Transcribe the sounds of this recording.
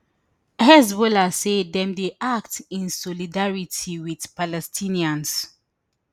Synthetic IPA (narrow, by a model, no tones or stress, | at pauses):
hɛzbɔlasedðɛ̃mdeʔak̚tĩnsɔlidaɹitʰiwið̥palɛstʰĩniãns